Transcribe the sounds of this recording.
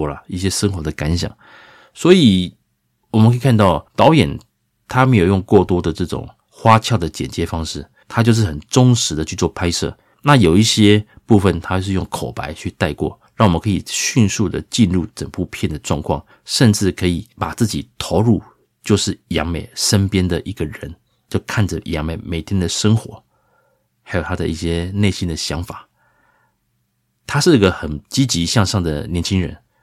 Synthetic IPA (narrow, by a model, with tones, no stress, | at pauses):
la˨i˥˩ɕjɛ˥ʂə˥ŋxwɔ˧˥d̪ə˧ka˧˥nɕjɑ̰˨˩˦ŋ | swɔ˧˥i˨˩ | wɔ˨˩mə˦ŋkʰi˨˩kʰa˥˧nt̪ɑ˥˩ʊt̪ɑ˧˥ʊjɛ˨˩n | t̪ʰa˥me˧˥jo˨˩ʊjʊ˥˧ŋkwɔ˥˩t̪wɔ˥d̪ə˨ʈ͡ʂɤ˥˩ʈ͡ʂʊ̰˨˩ŋ | xwa˥t͡ɕʰjɑ˥˩ʊd̪ə˩t͡ɕjɛ̰˨˩nt͡ɕjɛ˧˥fɑ˥ŋʂɻ̩˥˩ | t̪ʰa˥t͡ɕjo˥˧ʊʂ̬̩˥˩xə˨˩nʈ͡ʂʊ˥ŋʂɻ̩˧˥d̪ə˨t͡ɕʰy˥˧t͡swɔ˥˧pʰa˥ɪʂɤ̰˥˩ | na˥˨jo˨˩ʊi˥˩ɕjɛ˥ | pu˥˧˩fə˨˩nt̪ʰa˥t͡ɕjʊʂɻ̩˥˧jʊ˥˩ŋkʰo˨˩ʊpa˧˦ɪt͡ɕʰy˥˧t̪a˥˧ɪkwɔ̰˥˩ɻɑ˥˩wmə˦ŋkʰɤ˧˥i˨˩ɕy˥˧nsu˥˩d̪ə̰˩t͡ɕi˥˧nɻu˥˩ʈ͡ʂə˨˩ŋpu˥˧pʰjɛ˥˩nd̪ə˩ʈ͡ʂwɑ˥˧ŋkʰwɑ̰˥˩ŋ | ʂə˥˧nʈ͡ʂɻ̩˥˩kʰɤ˧˥i˨˩pa˨˩t͡sɹ̩˥˩t͡ɕi˨˩t̪ʰo˧˥ʊɻu˥˧ | t͡ɕjo˥˧ʊʂɻ̩˥˩jɑ̰˧˥ŋme˨˩ɪʂə˥npjɛ˥nd̪ə˨ʔi˧˦˥ɡə˨ɻə˧˦n | t͡ɕjo˥˧ʊkʰa˥˩nd͡zə˩jɑ̰˧˥ŋme˨˩ɪme˨˩ɪt̪ʰjɛ˥nd̪ə˨ʂə˥ŋxwɔ˧˥ | xa˧˥ɪjo˨˩ʊa˥d̪ə˨ḭ˥˩ɕjɛ˥ne˥˩ɪɕi˥nd̪ə˨ɕjɑ˧˥ŋfa˨˩˦ | t̪ʰa˥ʂɻ̩˥˩i˧˥ɡə˧xə˨˩nt͡ɕi˥t͡ɕi˧˥ɕjɑ˥˧ŋʂɑ˥˩ŋd̪ə̰˩njɛ˧˥nt͡ɕʰi˥ŋɻə̰˧˦n